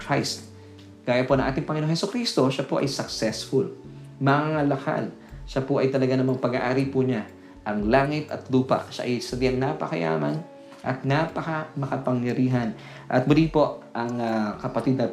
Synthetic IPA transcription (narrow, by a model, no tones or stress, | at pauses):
kɾajst̪̚ | kaːjɐponɐŋʔaːt̪ɪŋpɐŋɪnooŋhɛsʊkɾist̪o̞ʃapoʔɐ̰jsɐksɛsfʊl | mɐaalɐka̰l | ʃapoʔɐjt̪ɐlɐɡanɐmɐŋpɐɡaʔaːɾipʊɲa | ʔɐŋlaːŋɪt̪ɐ̰t̪luːpɐ̰ʔʃa̰ʔɐjsɐd̪iɐŋnapɐkɐja̰ːmɐn | ʔɐ̰t̪̚napɐkɐmɐkɐpɐŋjɐɾiːɦɐn | ʔɐ̰t̪̚mʊlipo̞ʔʔɐŋkɐpɐt̪id̪nɐ